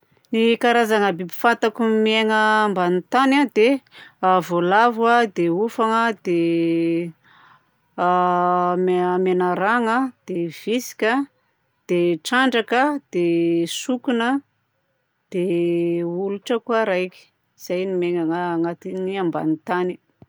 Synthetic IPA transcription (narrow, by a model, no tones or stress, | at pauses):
nikaɾazaŋəbibi̥fant̪akumieŋəːmbanit̪anad̪eavolavwad̪eufaŋəd̪e | mamenaɾaŋəd̪̥ev̥isi̥kʲə | d̪̥eʈ͡ʂaɳɖ͡ʐakəd̪̥esukunə | d̪̥e | uluʈ͡ʂəkuaɾajki̥ | iz̥ajnimeŋaŋaːŋat̪iniamba̰nit̪ani̥